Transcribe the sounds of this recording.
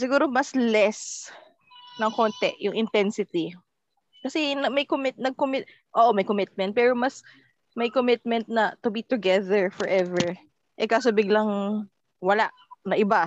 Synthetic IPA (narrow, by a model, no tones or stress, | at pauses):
sɪɡuːɾo̞mɐslɛs | nɐŋko̞nt̪ɛʔjʊŋʔɪnt̪ɛnsɪt̪i | kɐsɛnɐmɐjkomɪt̪̚nɐɡ̚komɪt̪ | ʔoːʔomɐjkomɪt̪̚mɛnt̪̚pɛːɾomɐs | mɐjkomɪt̪̚mɛnt̪̚nɐt̪ʊbit̪ʊɡɛðɛɹfɔɹʔɛvɛɹ | ʔɛkasobɪɡlɐŋ | wɐlaʔnɐʔɪba